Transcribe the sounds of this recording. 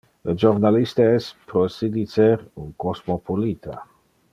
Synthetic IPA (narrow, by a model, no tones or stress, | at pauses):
ləd͡ʒornalist̪aɛspɾosid̪iseɾuŋkosmopʰolit̪ʰa̰